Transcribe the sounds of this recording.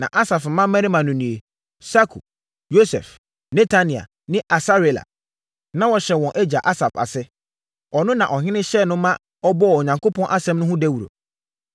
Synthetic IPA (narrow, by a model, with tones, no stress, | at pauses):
nã̰˨ʔa˦sa˨fm̩˨mã˦mɛ̃˦ɾi˦mã˨nʊ̃˨nĩ˨e˨ | sa˦kʰṵ˨ | jo˦sɛ̰˨f | nɛ˦tʰa˦nĩ˨a̰˨ | nɪ̃˦ʔa˨sa˦ɾi˨la̰˨ | nã˦wɔ˨ɕɛ˨wɔ̃˨nʔæ˦d͡ʑa˨ʔa˦sa˨fa̰˨sɪ˦ | ɔ˨nʊ̃˦nã˨ʔɔ˨ɦɪ̃˦nɪ̃˦ɕɛ˦˨nʊ̃˦mã˦ | ɔ˦bɔ˦˨o˨ɲã˨ŋkʰo˦pʰɔ̃˦nʔa˦sɛ̃˦mnʊ̃˦ɦʊ̃˦dɛ˦wu˨ɾo̰˨